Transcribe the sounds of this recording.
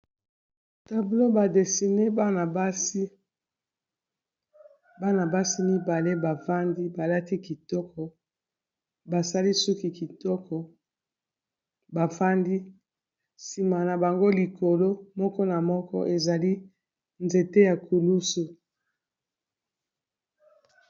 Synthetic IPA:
ta˨blo˦ba˨de˨si˨ne˦ba˦na˨ba˦si˦ | ba˦na˨ba˦si˦mi˦ba˨le˦ba˨fa˦ndi˦ba˨la˦ti˦ki˨tɔ˦kɔ˨ | ba˨sa˦li˦su˦ki˨ki˨tɔ˦kɔ˨ | ba˨fa˦ndi˦ | si˨ma˨na˨ba˨ŋɡo˦li˨ko˨lo˦mɔ˦kɔ˦na˨mɔ˦kɔ̰˦ʔe˨za˨li˦ | nze˨te˦ja˨ku˨lu˦su˨

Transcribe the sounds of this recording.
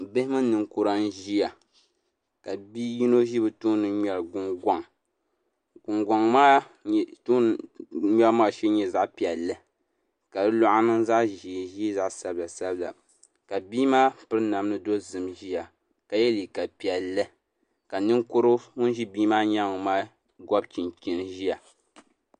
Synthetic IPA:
bɨ˦hɪ˦mɨ˦nɨ˨ŋku˦ɾa˦n̩˦ʒi˦ja˨ | ka˨bi˦ji˦no˦ʒi˦bɨ˨tuː˦nɨ˨ɲɛ˨lɡʊ˨ŋɡʷa˨ŋ | ɡʊ˨ŋɡʷa˨ŋmaː˦˨ | tu˦˨ɲɛ˦lmaː˦˨ʃɛ˦ɲɛ˦za˦ʔpi˨ɛ˨lːɨ˦ | ka˨dɨ˦lɔ˦ʔa˦nɨ˦ŋza˦ʔʒi˨ʒi˦za˦˨ʔsa˨bɨ˦la˨sa˦bɨ˦la̰˨ | ka˨biː˦maː˦pɨ˦ɾɨ˦na˨mnɨ˦do˦zɨ˨mʒi˦ja˨ | ka˨jɛ˦li˨ka˨pi˨ɛ˨lːɨ˦ | ka˨nɨ˦ŋkʊ˦ɾɨ˦ŋʊ˦n˦ʒi˦biː˦maː˦ɲa˦ŋ˨maː˦ | ɡɔ˦bt͡ʃi˨nt͡ʃi˨nʒi˦ja˨

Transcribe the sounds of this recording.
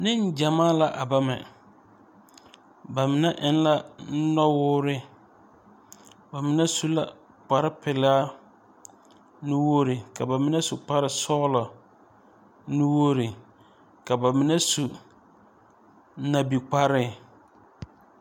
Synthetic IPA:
nɪ̃˦ɲ˦d͡ʑa˨mãː˦la˨ʔa˨ba˦mɛ̰̃˨ | ba˨mɪ̃˨nã˦ʔɪ˦n̩˦la˦n̩˦nɔ̃˦wʊ˦ɾɪ˦ | ba˨mɪ̃˨nã˦su˦la˨ | k͡pa˨ɾɪ˦pʰɪ˨lɪ˦a˦ | nʊ̃˦wo˦ɾɪ˨kʰa˨ba˨mɪ̃˦nã˦su˨k͡pʰa˦ɾɪ˨sɔː˦lɔ˨ | nʊ̃˦wo˦ɾɪ˨ | kʰa˨ba˨mɪ̃˨nã˦su˨ | nã˨bi˨k͡pʰa˦ɾɪ˦

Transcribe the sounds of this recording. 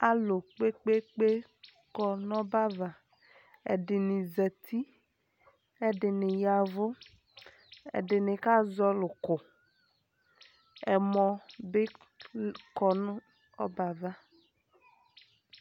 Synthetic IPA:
a˨lo˨k͡pe˦k͡pe˦k͡pe˦ | kɔ˨nɔ˦ba˦va˨ | ɛ̰˨ɖɪ˨nɪ̃˨zɛ˨t̪ʰi˦ | ɛ˨ɖɪ˨nɪ̃˨ja˨vʊ˦ | ḛ˨ɖɪ˨nɪ̃˨ka˦zɔ˦lʊ˨kʊ˨ | ɛ˨mɔ̃˨bɪ˦ | kɔ˨nʊ̃˦ | ɔ˦ba˨va˦

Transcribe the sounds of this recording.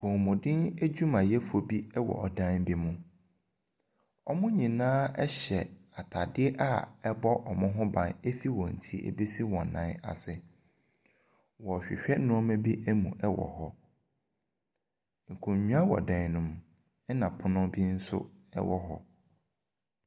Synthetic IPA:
wɔ̃˨mʊ̃˨dɪ̃˦ne˦d͡ʑᶣu˦mã˨jɛ˦fo˨bi˦ɛ˦wɔ̰˨ʔɔ˨dã˦n˦bi˦mʊ̃˨ | ɔ˦mʊ̃˦ɲĩ˨nãː˦ɛ˦ɕɛ˨a˨tʰa˨dɪ˦ɛ˦ʔa˦˨ɛ˦bɔ˦ʔɔ˨mʊ̃˦ɦʊ̃˦bã˨ne˦fi˦wɔ̃˨n̩˨tʰi˦ḛ˨be˦si˦wɔ̃˨n̩ː˨ã̰ː˨˦na̰˨sɪ˨ | wɔ˨ɕᶣɪ̰˨ɕᶣɛ˦nʊ̃˦ɔ˦mɛ̃˦bi˦ʔe˦mṵ̃˨ʔɛ˦wɔ̰˨hɔ˦ | ŋ̩˨kʰũ˨ɲᶣu˦a˦wɔ̰˨dã˨˦˨nʊ̃˨m | ɛ˦nã˨pʰʊ˦nʊ̃˦bi˦n̩˦sʊ̰˦ɛ̰˦wɔ˦ɦɔ̰˦

